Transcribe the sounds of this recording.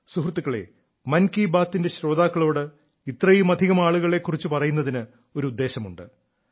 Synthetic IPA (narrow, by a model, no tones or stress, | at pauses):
suhrt̪ːukːɐɭe̞̰ | mɐnkibaːt̪ːinde̞ɕɾo̞ːd̪aːkːɐɭo̞ːɽɨ | it̪rɐjumɐd̪ʱiɣɐmaːɭuɣɐɭe̞kːurit͡ɕːupɐrɐjunːɐðinɨ | o̞ɾuud̪ːe̞ːɕɐmuɳɖɨ